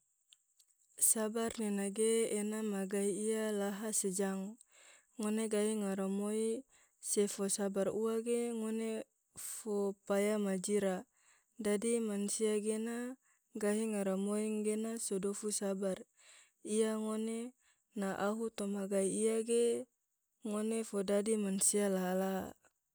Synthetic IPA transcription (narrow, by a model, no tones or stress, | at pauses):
sabarnenaɡeːnamaɡaiialaɦased͡ʒaŋ | ŋoneɡaɦiŋaɾomoi | sefosabaruaɡeŋone | fopajamad͡ʒiɾa | d͡ʒadimansiaɡena | ɡaɦiŋaɾamoiŋɡenasodofusabar | iaŋone | naʔaɦut̪ɔmaɡaiiaɡe | ŋonefodadimansialaɦalaɦa̰